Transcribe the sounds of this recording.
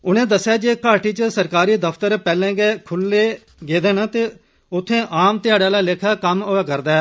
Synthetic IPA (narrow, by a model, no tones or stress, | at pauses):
ʊnẽːd̪əsːjaːd͡ʒeːkaːʈiːt͡ʃəsəɾkaːɾiːd̪əpʰt̪əɾpɛːlẽːɡeːkʰʊlːeː | ɡeːd̪eːnaːt̪eː | ʊt̪ʰːẽːʔaːmt̪ɪjaːɽaːlaːlekʰaːkəmoːaːkəɾd̪aː